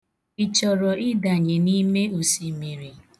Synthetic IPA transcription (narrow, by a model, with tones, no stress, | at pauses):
i˨t͡ʃɔ˨ɾɔ˨ʔɪ˦da˨ɲe˨ni˦me˦o˨si˨mi˨ɾi˨